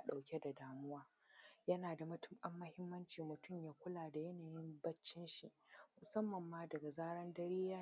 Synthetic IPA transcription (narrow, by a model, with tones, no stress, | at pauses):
a˦ɗa˨wkʲe˦da˨daː˨mʊ˦waː˦ | jɐ˦naː˨da˨mʊ˨tʊ̥˦mɓɐ˦mːɐ˦hɪ˦mːɐ˦nt͡ʃiː˨mʊ˨tʊ˦˨mjaː˦kʷʊ˦laː˨da˨jɐ˦naː˨jɪ˦mbɐ˦t͡ʃːɪ˦nʃi˨ʔmʊ˨sɐ˦mːɐ˨mːaː˦dɐ˨ɡa˨zaː˦ɽɐ˦ndɐ˦ɾiː˦jaː˦